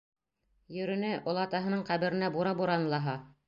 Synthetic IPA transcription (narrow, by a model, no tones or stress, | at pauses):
jɵ̆ɾɵ̆nɘʔŏlˠɑt̪ɑɦɤ̆nɤɴqæβɘ̆ɾɘ̆næbuɾɑbuɾɑnlˠɑɦɑ